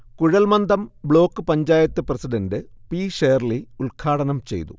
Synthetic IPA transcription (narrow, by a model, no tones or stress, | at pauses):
kuɻɐlmɐnd̪ʱɐmbɭo̞ːkːɨpɐɲd͡ʑaːjɐt̪ːɨprɐsiɖɐndɨpiːʂeːrliulkʰaːɽɐnɐmt͡ɕe̞̰jt̪ṵ